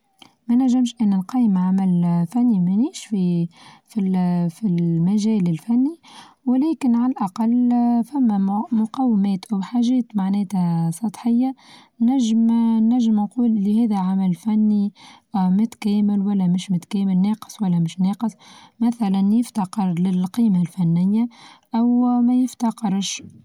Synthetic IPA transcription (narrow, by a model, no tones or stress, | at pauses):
mænæʒːɪmʃʔɪnːinqɑːjəmʕamælfænːimæniːʃfifilfimæʒɛːlɪlfænːi | wɪlɛːkɪnʕallʔɑqɑlːfæmːæmʊqɑːwɪmɛːt̪ʔawħaːʒɛːt̪maʕnɛːt̪æsˤɑt̪ˤħɪjːa | næʒːmnːæʒːɪmnquːlʔɪlːihɛːðæʕamælfænːi | mʊt̪kɛːmɪlwælːɛmɪʃmʊt̪kɛːmɪlneːqə̥sˤwælːæmɪʃneːqɨsˤmæθælænjɪft̪ɑqɪɾlɪlqiːmalfænːɪjːaʔæwmæjɪft̪ɑqɪɾʃ